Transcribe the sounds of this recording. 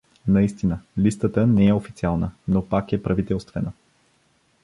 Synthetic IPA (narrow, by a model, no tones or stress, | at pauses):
nɐist̪inəlist̪ət̪ənɛɛofit̪sialˠnənopakɛpɾɐvit̪ɛlˠst̪vɛnə